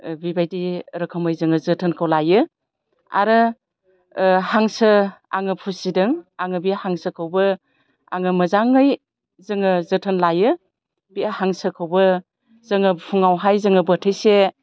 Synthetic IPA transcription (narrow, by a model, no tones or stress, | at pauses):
bibajdiɾɯkʰəmɯjzɯŋɯzɯtʰənkʰawlajɯ | a̰ɾɯ | haŋsɯa̰ŋɯpʰusidɯŋaŋɯbihaŋsɯkʰawbɯ | a̰ŋɯmɐzaŋːɯj | zɯŋɯzɯtʰənlajɯ | bihaŋsɯkʰawbɯ | zɯŋɯpʰuŋawɦajzɯŋɯbətʰɯjse